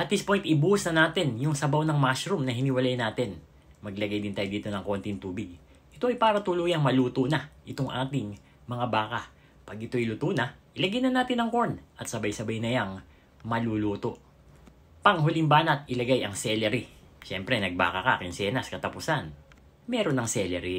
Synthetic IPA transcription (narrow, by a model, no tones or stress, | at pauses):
ʔɐt̪̚d̪ɪspojnt̪ɪbusnɐnaːt̪ɛnjʊŋsɐbawnɐŋmasɾumnɐɦɪnɪwɐlajnaːt̪ɛn | mɐɡlɐɡajd̪ɪnt̪aːjd̪iːt̪o̞nɐŋko̞nt̪ɪŋt̪uːbɪɡ̚ | ʔɪt̪o̞ʔɐjpaːɾɐt̪ʊluːjɐŋmɐluːt̪onɐʔɪt̪oŋʔaːt̪ɪŋ | mɐŋabaːkɐ | pɐɡʔɪt̪o̞ʔɪlʊt̪unɐʔɪlɐɡajnɐnaːt̪ɪnɐŋko̞ɹnʔɐt̪̚sɐbɐjsɐbajnɐjaŋ | mɐluluːt̪o̞ʔ | pɐŋɦʊlɪŋbaːnɐt̪̚ɪlɐɡajʔɐŋsɛlɛɾi | ʃɛmpɾɛnɐɡ̚ba̰ːkɐka̰kɪnsɛːnɐskɐt̪ɐpʊsan | mɛːɾo̞nːɐŋsɛlɛɾi